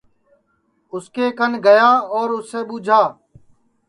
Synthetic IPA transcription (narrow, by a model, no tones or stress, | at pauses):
ʊskeːkənɡəjaːɔːɾʊsːeːɓuːd͡ʒʱaː